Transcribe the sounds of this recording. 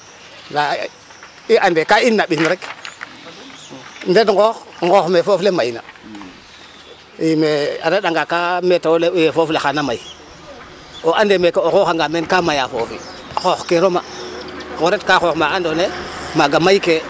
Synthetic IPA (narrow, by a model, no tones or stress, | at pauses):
na | iʔandekainːaɓinɾek | ndet̬ŋɡoxŋɡoxmefoflemajna̰ | imea̰ɾeɗaŋɡakametawolejefoflexanamai | oʔandemekeoxoxaŋɡamenkamajafo̰fḭ | xoxkeɾoma̰koɾetkaxoxmaandonemaɡamaike